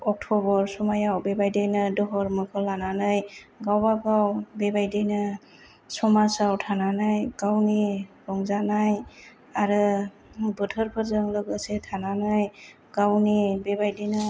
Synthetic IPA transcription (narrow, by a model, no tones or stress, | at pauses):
ɔk̚tʰɔbɔɾsɔmajawbebajdɯjnɯdɔɦɔɾmɯkʰɯlananɯjɡawbaɡawbebajdijnɯ | sɔmasawtʰananajɡ̥awniɡɔŋzanaj | aɾɯ | bɯtʰɯɾpʰɯɾzɯŋlɯɡɯsetʰananaj | ɡ̥awnibebajdinɯ